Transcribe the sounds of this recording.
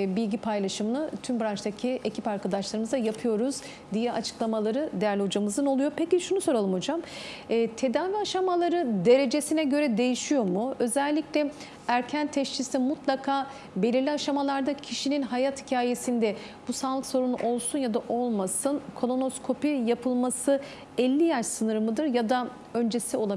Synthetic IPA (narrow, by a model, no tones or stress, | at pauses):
bilʲɟipʰajlˠaʃɯmɯnat̪ʰymbɾant͡ʃt̪acʰiʔe̞cʰi̥paɾkʰad̪aʃlˠaɾɯmɯzajapʰɯjo̞ɾuz | d̪ijɛʔat͡ʃʰɯ̥klˠamalˠaɾɯd̪ejæɾlʲhod͡ʒamɯzɯno̞lˠujopeciʃunuso̞ɾalˠɯmho̞d͡ʒamːt̪ʰe̞d̪aːviaʃamalˠaɾɯd̪e̞ɾe̞d͡ʒe̞sinɛɟø̞ɾɛd̪e̞jiʃijo̞muø̞zɛlʲːiclʲɛ | æɾcʰænt̪ʰɛʃt͡ʃʰisimut̪lˠakʰaː | be̞lʲiɾlʲiaʃamalˠaɾd̪acʰiʃininɦajat̪hicʰaːje̞sind̪ɛ | b̥usaːlˠɯkso̞ɾunṵʔo̞lˠsunjad̪aʔo̞lˠmasɯnkʰo̞lˠo̞no̞skʰo̞pijapʰɯlˠmasɯ | ɛlʲːijæɾsɯnɯɾmɯd̪ɯɾjad̪a | ø̞nd͡ʒe̞sio̞lˠab